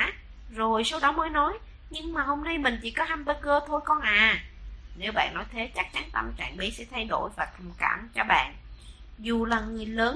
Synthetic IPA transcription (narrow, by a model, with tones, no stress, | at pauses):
aː˧˦˥ | zo˨˩jso˧˦wɗɔ˨˦məː˨˦jnɔ˨˦j | ɲɨ˧ŋmaː˨˩ho˧mna˧jmï˨˩ŋ̟t͡ɕḭ˧˥kɔ˨˦haː˧mɓəː˧˦ɣəː˧t̪ʰo˧jkɔ˧nʔaː˨˩ne˨˦wɓa̰ː˧˨nːɔ˨˦jt̪ʰe˨˦t͡ɕa˦˥k̚t͡ɕa˨˦nt̪ə˧mt͡ɕa̰ː˧˨ŋɓi˨˦sɛ̰˧˥t̪ʰa˧jɗo̰˧˩jvaː˨˩t̪ʰə˨˩mka̰ː˧˨mt͡ɕɔ˧ɓa̰ː˧˨n | zu˨˩laː˨˩ŋɨ˨˩əjləː˨˦n